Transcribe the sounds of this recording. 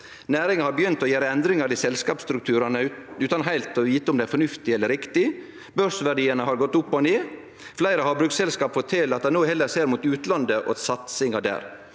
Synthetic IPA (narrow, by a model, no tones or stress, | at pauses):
næːɾɪŋəhɑɾbəjʏnt̪ɔjæːɾəɛnd̪ɾɪŋɑɾɪsɛlskɑːpst̪ɾʉk̚t̪ʰʉːɾɑnəʉːt̪ɑnɦæɪlt̪ɔʋiːt̪əʊmd̪ɛæɾfɔɳʉft̪ɪɛlːəɾɪkt̪ɪ | bœɾʂəʋæɖiːənəhɑɾɡɔt̪ːʊpːɔneː | flæɪɾəhɑɾbɾʉːksɛlskɑːpfɔt̪ʰːɪlɑt̪̚d̪æɪnoːhɛlːəseːɾmuːt̪ʉːt̪lɑnd̪əʔɔ̰sɑt̪sɪŋɑd̪æ̰ːɾ